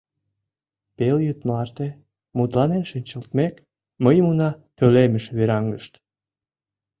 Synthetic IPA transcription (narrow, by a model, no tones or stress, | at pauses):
peljyt̪mlɑrt̪e | mud̪lɑnenʃinʲt͡ɕəlt̪mek | məjmunɑpøleməʃβeɾɑŋɡəʃt̪